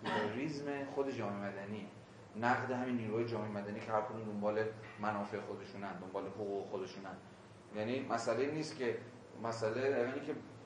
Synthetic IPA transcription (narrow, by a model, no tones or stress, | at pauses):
pʰeɾoɾizme̞xod̪e̞d͡ʒɒːmemæd̪æniː | næɣd̪e̞ɦæminːiːɾuɦɒːjed͡ʒɒːmeemæd̪æniːcʰehæɾkʰo̞d̪uːmd̪o̞mbɒːle̞mænɒːfe̞exod̪e̞ʃuːnænd̪o̞mbɒːle̞hoɣuːɣexod̪e̞ʃuːnænd̪ | jæːniːmʔæsæleiːniːst̪cʲʰe̞ | mæsæleɒniːkʲʰe